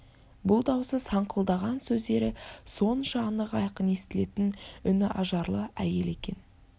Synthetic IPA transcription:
bʊlˠd̪ɑwsəzsɑɴqəlˠd̪ɑʁɑnsɵzd̪e̞ɾɪso̞nʃɑːnəʁɑjqəne̞st̪ɪle̞t̪ɪnʏnɪʔɑʒɑɾlˠəæje̞le̞kʲe̞̰n

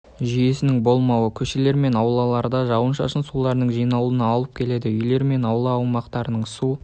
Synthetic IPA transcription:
ʒije̞sɪnɪŋbo̞lˠmɑwəkʲʰɵʃe̞le̞ɾme̞nɑwlˠɑlˠɑɾd̪ɑʒɑwənʃɑ̰ʃənsulˠɑɾnəɴʒijnɑlˠuənɑɑlˠəp̚kʲʰe̞le̞d̪ɪʏjle̞ɾme̞nɑwlˠɑɑwmɑqt̪ɑɾənəɴsu

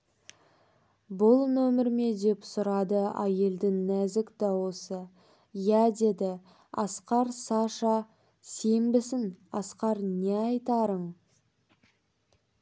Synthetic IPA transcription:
bʊlˠnɵmɪɾme̞d̪e̞psʊɾɑd̪əæje̞ld̪ɪŋnæzɪkd̪ɑwo̞sə | jæd̪e̞d̪ɪ | ɑ̰sqɑɾsɑʃɑ | se̞mbɪsɪnɑsqɑɾneɑjt̪ɑɾəɴ

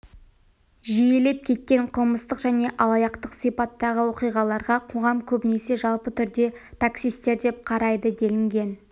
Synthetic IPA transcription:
ʒijele̞p̚kʲʰe̞t̪̚kʲe̞ɴqʰəlˠməst̪əqʒæne̞ʔɑlˠɑjɑqt̪əqsijpɑt̪ːɑʁəwo̞qijʁɑlˠɑɾʁɑqʰo̞ʁɑmkʲʰɵbɪne̞se̞ʒɑlˠpət̪ʰʏɾd̪e̞t̪ʰaksijst̪e̞ɾd̪e̞p̚qʰɑɾɑjd̪əd̪e̞lɪŋɡʲe̞n

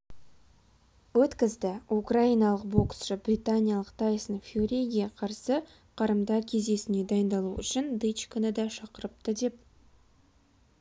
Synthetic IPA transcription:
wɵt̪kʲɪzd̪ɪukraijnɑlˠəqboksʃəbrʲit̪anʲijɑlˠəqt̪ʰɑjəsəɴfʲuɾʲejɡʲeqʰɑɾsə | qʰɑɾəmd̪ɑɾkʲʰe̞zd̪e̞sɪne̞d̪ɑjənd̪ɑlˠuʏ̰ʃɪnd̪ɨt͡ʃkʲʰʏnəd̪ɑʃɑqəɾəp̚t̪əd̪e̞p̚

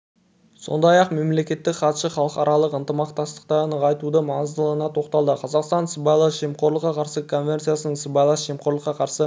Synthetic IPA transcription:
so̞̰nd̪ɑjɑqme̞mle̞kʲe̞t̪ːɪkχɑt̪ʃəχɑlˠəqɑɾɑlˠəqənt̪əmɑqt̪ɑst̪ə̥qt̪ɑnəʁɑjt̪ud̪əmɑɴəzd̪əlˠənɑt̪ʰo̞qt̪ɑlˠd̪əqʰɑzɑqst̪ɑnsəbɑjlˠɑʒemqʰo̞ɾlˠəqːɑqʰɑɾsəkʰo̞nvʲe̞nt̪sijasənəɴsəbɑjlˠɑsʒemqʰo̞ɾlˠəqːɑqʰɑɾsə

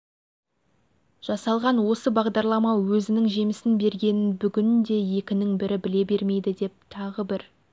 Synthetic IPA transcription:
ʒ̥ɑsɑlˠʁɑnwo̞səbɑʁd̪ɑɾlˠɑmɑwɵzɪnɪŋʒe̞mɪsɪnbe̞ɾɡʲe̞nɪnbʏɡʲɪnd̪e̞je̞kʲɪnɪŋbɪɾɪbɪle̞be̞ɾme̞jd̪ɪd̪e̞p̚t̪ʰɑʁəbɪɾ

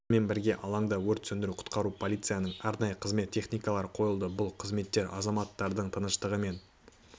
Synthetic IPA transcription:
me̞nbɪɾɡʲe̞ʔɑlˠɑɴd̪ɑwɵɾt̪sɵnd̪ɪɾuqʰʊ̥t̪qɑɾupʰo̞lʲijt̪sɨjanəɴɑɾnɑjəqʰəzme̞t̪ʲʰːe̞χnijkɑlˠɑɾəqʰo̞jəlˠd̪əbʊlˠqʰəzme̞t̪ːe̞ɾɑ̰zɑmɑt̪ːɑɾd̪əɴt̪ʰənəʃt̪əʁəme̞n

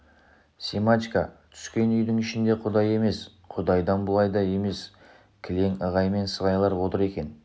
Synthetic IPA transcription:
sʲemat̪ikɑ̰t̪ʰʏ̥skʲe̞nʏjd̪ɪŋɪʃɪnd̪e̞qʰʊd̪ɑje̞me̞s | qʰʊd̪ɑjd̪ɑnbʊlˠɑjd̪ɑe̞me̞s | kʲʰɪle̞ŋəʁɑjme̞nsəʁɑjlˠɑɾwo̞t̪əɾe̞kʲe̞n

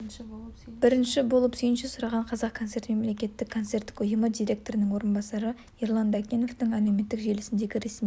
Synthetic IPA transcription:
b̥ɪɾɪnʃɪbo̞lˠəpsijɪnʃɪsʊɾɑʁɑɴqʰɑzɑq̚kʰot̪se̞ɾt̪me̞mle̞kʲe̞t̪ːɪkʰːo̞nt̪se̞rt̪ːɪ̥kʰʊjʊməd̪ijɾʲe̞k̚t̪o̞ɾɪnɪŋwo̞ɾənbɑsɑɾə | iɾlˠɑnd̪akʲeno̞ft̪ɪŋælewme̞t̪ːɪkʒe̞lɪsɪnd̪e̞ɡʲɪɾe̞sm

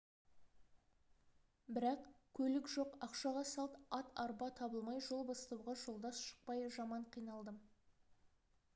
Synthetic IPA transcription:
bɪɾɑqkʲʰɵlɪkʒo̞qɑqʃɑʁɑsɑlˠt̪ɑt̪ɑɾbɑt̪ʰɑbəlˠmɑjʒo̞lˠbɑst̪ɑwʁɑʒo̞lˠd̪ɑsʃə̥q̚pɑjʒɑmɑɴqʰijnɑlˠd̪əm

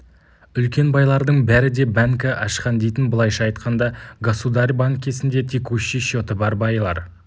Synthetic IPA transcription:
ʏlkʲe̞nbɑjlˠɑɾd̪əɴbæɾɪd̪e̞bæŋkɪʔɑʃqɑnd̪e̞jt̪ɪnbəlˠɑjʃɑːɑjt̪qɑnd̪ɑɡasud̪ɑɾbaŋkʲʰe̞sɪnd̪e̞t̪ʰekuʃiʃo̞t̪əbɑɾbɑjəlˠɑ̰ɾ

